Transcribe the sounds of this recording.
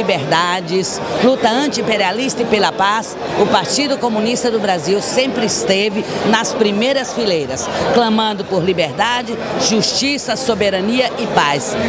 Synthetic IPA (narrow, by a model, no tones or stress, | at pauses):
ibeɾd̪ad͡ʒɪs | lut̪ɐɐ̃nt͡ʃɪĩmpeɾialist̪ɐɪpelɐpas | ʊpaɾt͡ʃid̪ʊkomũnist̪ɐd̪ʊbɾaziwsẽmpɾɪɪst̪evɪnɐspɾimejɾɐsfilejɾɐsklɐ̃mɐ̃nd̪ʊpoɾlibeɾd̪ad͡ʒɪ | ʒuʃt͡ʃisɐsobeɾɐniɐʔɪpajs